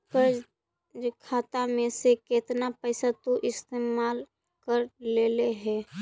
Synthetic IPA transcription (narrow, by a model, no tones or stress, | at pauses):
pəd͡ʒ | d͡ʒkʰaːt̪amẽsekeːt̪napəɪsat̪oʔɪst̪eːmaːl | kəɾleleɦɛː